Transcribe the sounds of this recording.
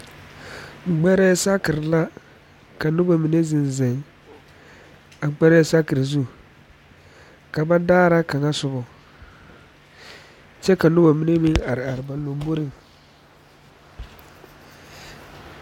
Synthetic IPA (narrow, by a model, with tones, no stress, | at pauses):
ŋ͡m̩˨ɡ͡bɛ˦ɾɛ˦sa˦kɪ˨ɾɪ˨la˦ | ka˨nʊ˦ba˨mi˨ne˦zɪ˨n˨zɛ˨ŋ | a˨k͡pɛ˦ɾɛ˦sa˦kɪ˨ɾzu˦˨ | ka˨ba˦daː˦ɾa˦ka˨ŋa˦sʊ˨bɔ˨ | t͡ʃɛ˦ka˨nʊ˦ba˨mi˦ne˦mi˦ŋa˨ɾɪ˨a˨ɾɪ˨ba˨lo˨m˦bo˦ɾɪ˨ŋ